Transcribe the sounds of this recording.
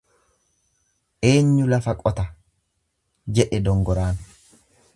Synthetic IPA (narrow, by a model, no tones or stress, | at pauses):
ʔe̞ːɲːʊlɐfɐkʼɔt̪ɐ | d͡ʒɛᶑɛd̪ɔŋɡɔɾaːn